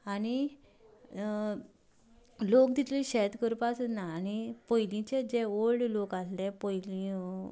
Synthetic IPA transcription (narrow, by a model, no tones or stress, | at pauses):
aɽ̃i | lok̚d̪it̪liɕɛt̪kəɾpasənaːnipəjlĩt͡ɕed͡ʑeoɭɖlokaslẽpəjlĩ